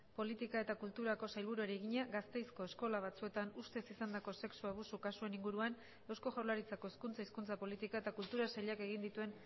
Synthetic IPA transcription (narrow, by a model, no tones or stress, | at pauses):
po̞lit̪ikae̞t̪akult̪uɾako̞sajlβuɾueɾieɣiɲaɣɡast̪e̞jsko̞e̞skolaβ̞at͡sue̞t̪anust̪e̞sisand̪ako̞se̞ksuaβ̞usukasueniŋɡuɾuan | e̞wsko̞ʝawlaɾit͡sako̞iskunt͡saiskunt͡sapo̞lit̪ikae̞t̪akult̪uɾasaʎake̞ɣ̞ind̪it̪ue̞n